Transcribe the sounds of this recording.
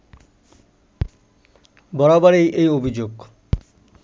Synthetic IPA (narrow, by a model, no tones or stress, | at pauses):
bɔɽabaɾejʔejobʱid͡ʑoɡ